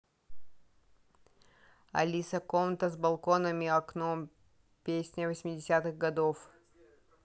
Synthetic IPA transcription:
ɐ̰lʲisəkomt̪əzbɐlˠkonəmʲɪɐknom | pʲesʲnʲəvəsʲmʲɪdʲɪsʲat̪ɨɣɡɐd̪of

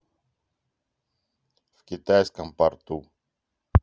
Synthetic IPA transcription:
fkʲit̪ajskəmpɐɾt̪u

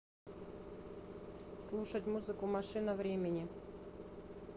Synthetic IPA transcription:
slˠuʂətʲmuzɨkʊmɐʂɨnəvɾʲemʲɪnʲɪ

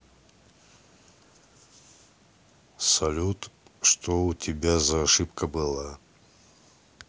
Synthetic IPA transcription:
sɐlʲut̪ʂt̪oʊtʲɪbʲazɐːʂɨpkəbɨlˠa

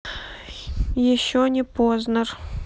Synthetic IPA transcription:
jɪɕːonʲɪpoznər

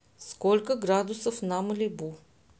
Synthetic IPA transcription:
skɔlʲkəɡɾad̪ʊsəfnaməlʲibu

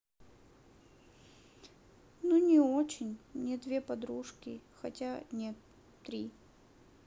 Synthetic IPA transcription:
nunʲɪot͡ɕɪnʲmnʲed̪vʲe̞pɐd̪ɾuʂkʲɪ̰xɐtʲanʲet̪ː | ɾʲi

